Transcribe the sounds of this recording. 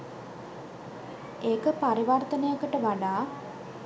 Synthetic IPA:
eːkəpaɾiʋart̪ənejəkəʈəʋaɖaː

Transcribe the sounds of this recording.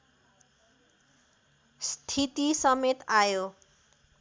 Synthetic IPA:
st̪ʰit̪isʌmet̪ajo

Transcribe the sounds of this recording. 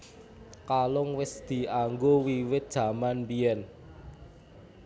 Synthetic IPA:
kalʊŋwɪsd̪̥i̤aŋɡowiwɪt̪̚d̥ʒ̥ä̤manmbiɛn

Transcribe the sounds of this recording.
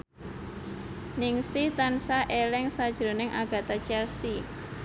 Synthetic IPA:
nɪŋsɪht̪ansaʔelɛŋsad̥ʒ̥ɾo̤nɪŋʔaɡ̥a̤t̪at͡ʃɛrsi

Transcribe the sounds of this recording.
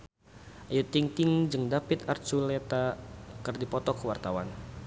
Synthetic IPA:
ʔajut̪iŋt̪ɪŋd͡ʒɨŋdapit̪art͡ʃulɛt̪akɨrdipɔt̪ɔkəwart̪awan

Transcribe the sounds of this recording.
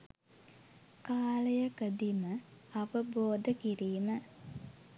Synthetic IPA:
kaːləjəkəd̪iməaʋəboːd̪əkiɾiːmə

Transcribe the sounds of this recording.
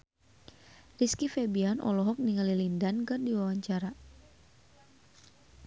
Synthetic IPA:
riskifebianʔɔ̰lɔɦɔk̚niŋalilindankɨrdiwawaɲt͡ʃaɾa

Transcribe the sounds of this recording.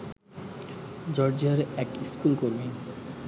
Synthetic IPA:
d͡ʑɔɾd͡ʑiaɾɛkiskulkoɾme

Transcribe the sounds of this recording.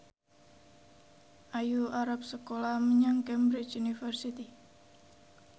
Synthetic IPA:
ʔajuaɾap̚səkolaməɲaŋkɛmbɾɪt͡ʃunifərsit̪i

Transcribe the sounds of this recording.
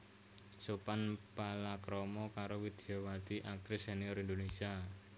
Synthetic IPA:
supanpalakɾɔmɔkaɾowid̪̥iɔwat̪iʔak̚t̪ɾɪseniɔɾind̪onesia

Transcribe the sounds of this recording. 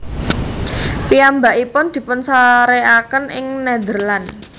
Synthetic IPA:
piambaʔipʊnd̪̥i̤pʊnsaɾeakənʔɪŋnɛd̪ərlan

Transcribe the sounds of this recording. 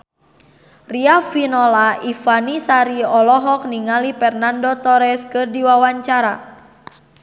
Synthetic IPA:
riafinɔlaifanisaɾiɔlɔɦɔk̚niŋalipɛrnandɔt̪ɔɾɛskɨrdiwawaɲt͡ʃaɾa

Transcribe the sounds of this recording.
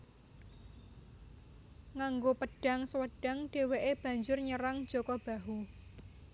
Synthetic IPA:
ŋaŋɡopəɖ̥a̤ŋsəwəɖ̥a̤ŋɖ̥e̤weʔeb̥ä̤ɲd͡ʒʊrɲəɾaŋd̥d͡ʒ̥okɔb̥a̤ɦu

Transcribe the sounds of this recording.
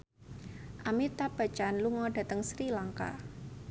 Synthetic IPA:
ʔamit̪ab̥a̤t͡ʃanluŋɔda̤t̪əŋsɾilaŋka̰

